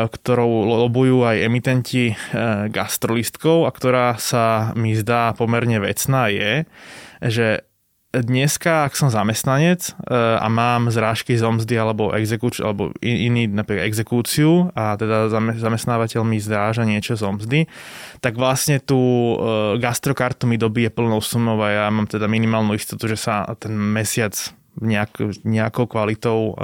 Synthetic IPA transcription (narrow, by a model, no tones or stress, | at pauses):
kt̪ɔɾɔʊlɔbujuːajɛmit̪ɛnciɡast̪ɾɔlist̪kɔʊakt̪ɔɾaːsamizd̪aːpɔmɛɾɲɛʋɛ̰t͡snaːjɛ | ʒɛ | d̪ɲɛskaaksɔmzamɛst̪naɲɛt͡sa̰maːmzɾaːʃkizɔmzd̪ialɛbɔʔɛ̰ɡzɛkut͡ʃa̰lɛbɔ̰iiniːnapɾiːkad̪ɛɡzɛkuːt͡siuat̪ɛd̪azaɛzamɛst̪naːʋacɛʎmizɾaːʒaɲɪɛt͡ʃɔzɔmzd̪it̪aɡʋlasɲɛt̪uː | ɡast̪ɾɔkaɾt̪umid̪ɔbiːjɛpl̩nɔʊsumɔʊajamaːmt̪ɛd̪aminimaːlnuːist̪ɔt̪uʒɛsat̪ɛnmɛsɪat͡s | ɲɛakɲɛakɔʊkʋalit̪ɔʊ